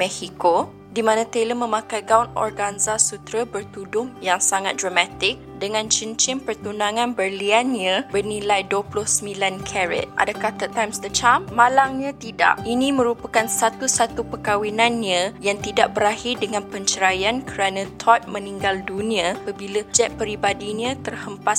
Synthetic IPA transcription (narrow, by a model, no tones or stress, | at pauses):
mɛhiko | dimãnãt̪eləmə̃mãkajɡaunɔ̰rɡanzasut̪ɾəbərt̪udʊmjaŋsaŋat̪̚d̪ɾamat̪ɪk̚dəŋãnt͡ʃənt͡ʃɪnpərt̪unãŋãnbərlianɲãbərnilajduəplʊhsəmilankʰɛɾɛ̰t̪ʔa̰dakaht̪ət̪ajmsdət͡ʃamːãlaŋɲãt̪ida̰ʔinĩmə̃ɾupakansat̪usat̪upəkawinãnɲãjaŋt̪idaʔ̚bəɾahɪrdəŋãnpəɲt͡ʃəɾajankəɾanãt̪ʰɔt̪̚mə̃niŋɡaldunĩaapəbiləd͡ʒɛʔ̚pəɾibadiɲãt̪ərhəmpas